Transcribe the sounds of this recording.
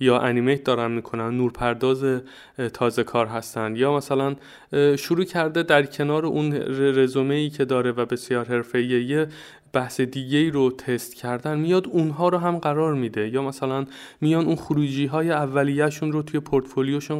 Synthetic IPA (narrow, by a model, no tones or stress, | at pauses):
jɒːʔænimejt̪̚d̪ɒːɾænmiːkʰo̞nænːuːɾpʰæɾd̪ɒːze̞ | t̪ʰɒːze̞kʰɒːɾɦæst̪ænd̪jɒːmæsælæn | ʃoɾuːcʰæɾd̪e̞d̪æɾcʰe̞nɒːɾeʔunɾezome̞iːcʰe̞d̪ɒːɾe̞væbe̞sjɒːɾɦe̞ɾfe̞ijeje | b̥æhsed̪iːɟe̞iːɾot̪ʰe̞st̪cʰæɾd̪ænmijɒːd̪unɦɒːɾoɦæmɢæɾɒːɾmid̪e̞jɒːmæsælæn | mijɒːnunxuɾuːd͡ʒiːɦɒːjeævːælijæʃuːnɾot̪ʰuje̞pʰoɾt̪folijoʃun